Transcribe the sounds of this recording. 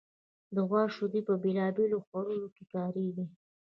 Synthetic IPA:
d̪əɣwɑʃod̪ipəbelɑbeloxwaɾunokekɑɾiɡi

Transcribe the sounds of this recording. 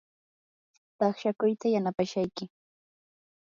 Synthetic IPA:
t̪ɑχʃakʊjt̪ajanapaʃajkɪ

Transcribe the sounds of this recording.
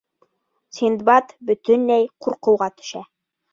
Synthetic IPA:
sind̪bɑt̪bɵ̆t̪ɵnːæjquɾqɤ̆wʁɑt̪ɵ̥̆ʃæ

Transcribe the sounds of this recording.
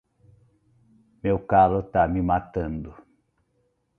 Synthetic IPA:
mewkalʊt̪amɪmat̪ɐ̃nd̪ʊ

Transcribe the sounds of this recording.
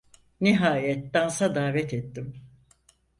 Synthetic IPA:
niɦaːjɛt̪̚d̪ansad̪aːvɛt̪et̪ːim

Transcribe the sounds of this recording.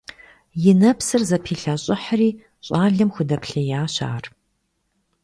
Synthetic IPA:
jɪnɐpʰsɨrzɐpʰiːɬaːɕʼɪħriː | ɕʼaːɮɨmxʷʊdɐpʰɬɐjaːɕa̰ːr

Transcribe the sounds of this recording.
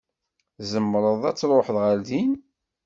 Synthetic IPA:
zəmːɾˤəðˤæt͡sːɾˤoħðʁælðin

